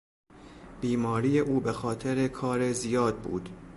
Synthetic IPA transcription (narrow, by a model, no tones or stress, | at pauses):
b̥iːmɒːɾiːje̞ʔuːbe̞xɒːt̪ʰe̞ɾe̞kʰɒːɾe̞zijɒːd̪̚bṵːd̪̥